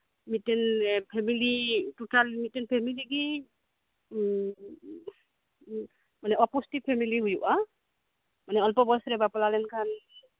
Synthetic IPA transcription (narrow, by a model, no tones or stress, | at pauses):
mitɛnpʰɛmilitutalmitɛnpʰɛmiliɡi | manɛɔpustipʰːɛmiliujuʔa | manɛɔlpɔbɔsɾɛbapɔlalɛnkʰan